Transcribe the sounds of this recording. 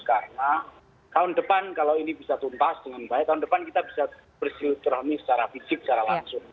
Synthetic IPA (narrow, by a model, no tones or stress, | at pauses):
sə̥kaɾəna | t̪aʊndəpankalaoinibisat̪unt̪asd̥əŋanbaɛt̪aʊndəpankit̪abisa | b̥ərsilut̪ɾɔhnisə̥t͡ʃaɾafisɪk̚t͡ʃaɾalaŋsʊŋ